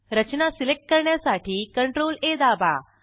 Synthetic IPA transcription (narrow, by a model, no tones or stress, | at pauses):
ɾət͡ɕnasilek̚ʈ̚kəɾɳjasaʈʰiːkəɳʈɾoled̪aba̰